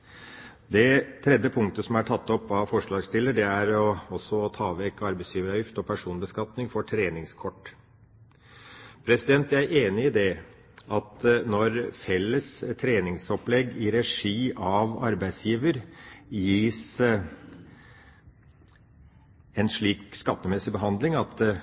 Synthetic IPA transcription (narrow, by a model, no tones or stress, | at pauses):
d̪ɛt̪ʰɾɛd̪jəpʰʊŋkt̪əsɔmæʈʰɑt̪ːɔpːɑʋfɔʂɭɑːɡst̪ɪlːəɖɛæɾɔɔsːɔt̪ʰɑːʋɛkɑɾbæɪsjiːʋəɾɑjʏft̪ɔpʰæʂuːnbəskɑt̪nɪŋfɔʈʰɾeːnɪŋskʰɔʈː | pʰɾɛsɪd̪ɛnt̪ææɾʔeːnɪɪd̪ɛ | ɑt̪nɔɾfɛlːəst̪ʰɾeːnɪŋsɔplɛɡːɪɾɛʂiːʔɑʋɑ̰ɾbæɪd̪sjiːʋəɾjiːs | ɛnʂɭiːkskɑt̪ːəmɛsːɪbəɦɑnd̪lɪŋɑt̪